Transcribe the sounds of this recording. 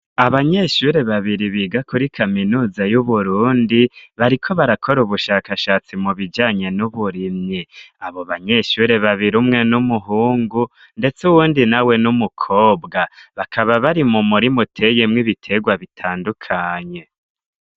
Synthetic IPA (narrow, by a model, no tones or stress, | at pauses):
aβaɲe̞ʃuɾe̞βaβiɾiβiːɡakuɾikʰaminuːzajuβuɾuːndiβaɾikʰo̞βaɾakʰo̞ɾuβuʃaːkaʃaːt͡simuβid͡ʒaːɲe̞nuβuɾimɲiaβo̞βaɲe̞ʃuɾe̞βaβiɾumŋe̞numuɦuːŋɡu | nde̞t͡suwuːndinawe̞numukʰo̞ːbɡaβakʰaβaβaɾimumuɾimutʰe̞jemŋiβitʰe̞ɡwaβitʰaːndukʰaːɲe̞